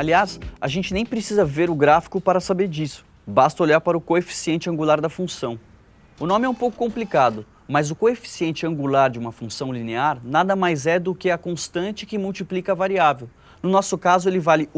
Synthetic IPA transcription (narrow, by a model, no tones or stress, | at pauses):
aliasaʒẽnt͡ʃɪnẽj̃pɾesizɐveɾʊɡɾafi̥kʊpaɾɐsabeɾd͡ʒisʊ̥ | bast̪ɐoʎaɾpaɾɐʊkoefi̥siẽnt͡ʃɪɐ̃ŋɡulaɾd̪ɐfũsɐ̃w̃ | ʊnõmɪɛũpowkʊ̥kõmplikad̪ʊ | mɐzʊkoefi̥siẽnt͡ʃɪɐ̃ŋɡulaɾd͡ʒɪũmɐfũsɐ̃w̃lineaɾnad̪ɐmajzɛd̪ʊkɪɐkõst̪ɐ̃nt͡ʃɪkɪmuwt͡ʃiplikɐvaɾiavew | nʊnɔsʊkazʊelɪvalɪ